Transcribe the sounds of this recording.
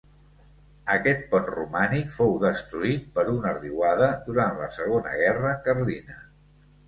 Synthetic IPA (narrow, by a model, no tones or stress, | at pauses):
əkɛt̪̚pɔt̪rumanikfowðəst̪ɾuit̪̚pəɾunəriwaðəðuɾant̪lə̰səɣ̞onə̰ɣɛrəkəɾlinə